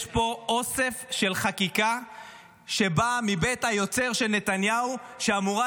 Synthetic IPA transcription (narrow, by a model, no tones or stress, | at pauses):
ʃpo̞ʔo̞se̞fʃe̞lχakika | ʃe̞bamibet̪hajo̞t͡seʁʃelne̞t̪anjauʃeamuʁa